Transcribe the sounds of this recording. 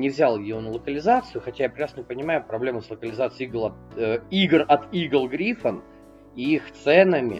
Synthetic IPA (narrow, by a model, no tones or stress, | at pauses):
nʲɪvzʲalˠjɪjonəlˠəkəlʲɪzat̪sɨjʊxɐtʲajapɾʲɪkɾasnpənʲɪmajʊpɾɐblʲe̞məslˠəkəlʲɪzat̪sɨɪiɡlˠɐiɡrɐt̪iɡəlˠɡɾʲifən | iixt̪sɛnəmʲɪ̰